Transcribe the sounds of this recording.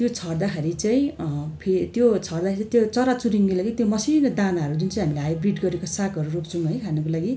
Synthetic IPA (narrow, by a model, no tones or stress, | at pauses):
t̪jot͡sʰʌrd̪akʰeɾit͡saĩpʰet̪jot͡sʰʌrd̪akʰeɾit͡sat̪jot͡sʌɾat͡suɾiŋkolaɡit̪jomʌsinʌd̪anaɦʌɾud͡zunt͡saj̃ɦamileɦajbriʈɡʌɾekosakʌɾuɾopt͡sʰʌw̃ɦʌjkʰanʌkolaɡi